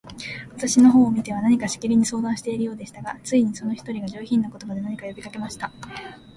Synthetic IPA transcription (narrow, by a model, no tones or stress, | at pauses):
βat̪aɕino̞ɦo̞ːmʲit̪e̞β̞anaɲ̟ikaɕi̥kʲiɾʲiɲ̟iso̞ːd̪ãɰ̃ɕi̥t̪e̞iɾɯ̟jo̞ːd̪e̞ɕi̥t̪aɡat͡sɨiɲ̟iso̞no̞çi̥t̪o̞ɾʲiɡaʑo̞ːçĩnːako̞t̪o̞bad̪e̞naɲ̟ikajo̞bʲikake̞maɕi̥t̪a